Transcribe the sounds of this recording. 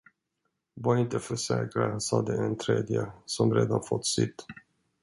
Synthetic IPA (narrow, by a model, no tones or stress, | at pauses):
vaɾɪnt̪əfœʂɛ̰ːkɾasɑːd̪ɛɛnt̪ʰɾeːd̪jəsɔmɾeːd̪anfɔt̪ːsɪt̪ː